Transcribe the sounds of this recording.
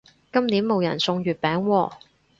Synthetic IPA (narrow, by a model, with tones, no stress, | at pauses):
kɐ˥mniː˨˥nmo˨˧wjɐ̰˨˩nsʊ˧ŋɥyː˨t̚pɛː˨˥ŋwɔː˧